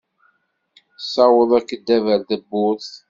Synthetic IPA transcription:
sɑwəðˤækːəd̪ːævəɾd̪əbːʊθ

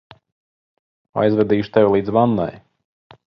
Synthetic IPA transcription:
a̰jzvɛd̪iːʃu̥t̪ɛvʲlˠiːd̪zvanːa̰j

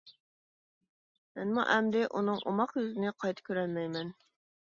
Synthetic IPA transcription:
mɛnmṵʔɛmd̪ɪʔunɨŋʔo̰mɑqjøzɪnɪqʰɑjt̪ʰə̥kʲʰøɾælmɛjmɛn

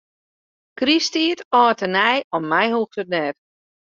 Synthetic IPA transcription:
kristiːətɔːtənɛjɔmːɛjhuːxtət̚nɛt

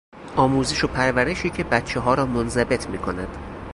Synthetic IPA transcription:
ʔɒːmuːzeʃo̞pʰæɾvæɾe̞ʃiːcʰe̞bæt̪t͡ʃʰːeɦɒːɾɒːmonzæbe̞t̪ʰmiːkʰo̞næd̪̥

